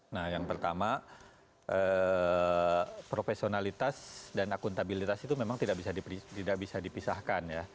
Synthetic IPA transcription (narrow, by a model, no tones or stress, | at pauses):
nahjaŋpərt̪ama | ʔə | pɾofesionalit̪asdanakunt̪abilit̪asit̪umemaŋt̪idaʔbisadipit̪idak̚bisadipisahkanja